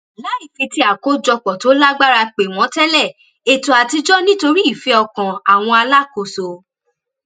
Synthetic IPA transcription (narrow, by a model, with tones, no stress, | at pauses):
la˨˦i˦˨ke˧ti˧a˨ko˨˦d͡ʒɔ˧k͡pɔ˨to˨˦la˦ɡ͡ba˦ɾa˧k͡pe˨w̃ɔ̃˨˦tɛ˦lɛ˦˨ | e˨to˨a˨ti˧d͡ʒɔ˦nĩ˦to˧ɾi˦i˦˨fɛ˨˦ɔ˧kã˨a˨w̃ɔ̃˧a˧la˦˨ko˧˨so˨